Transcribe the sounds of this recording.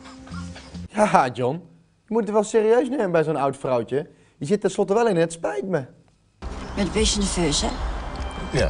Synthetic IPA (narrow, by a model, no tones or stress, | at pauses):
jaːɦad͡ʒɔn | jəmutətʋɛlˠseːɾiøɥsneːməbɛjzownawtfrɔwt͡ʃə | jəzɪtɛnslɔtəʋɛlˠɪnətspɛjtmə | mɛdʋɪsəndəføsə